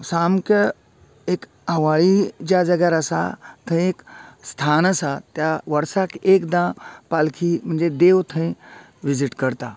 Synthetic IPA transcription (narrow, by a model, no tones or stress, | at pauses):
samkə | ek | ə̃ʋaɭid͡ʑjad͡zəɡjaɾəsa̰t̪ʰə̃j̃ekst̪ʰanəsat̪jaʋəɾsakekd̪ãpalkʰim̤əɳd͡zed̪ewt̪ʰə̃j̃ | ʋid͡ziʈkəɾt̪a